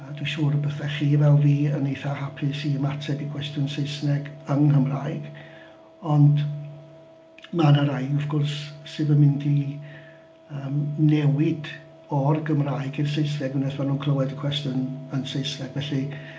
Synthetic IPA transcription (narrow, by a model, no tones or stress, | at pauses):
d̥wɪʃuːrəbəθɛχiːvɛlˠviːənejθahapʰɨsiəmatʰɛdikʰw̥ɛstjʊnseɨsnɛɡəŋkəmrajɡ | ɔnd | manəɾajɔvɡɔrsːɨvəmɪndi | əːmnɛwɪd | ɔrɡəmraːjɡɪrs̬eɨs̬nɛɡunɛθmanuːnkʰl̥əwɛdəkʰw̥ɛstjɔnənseɨsnɛɡ̥vɛɬi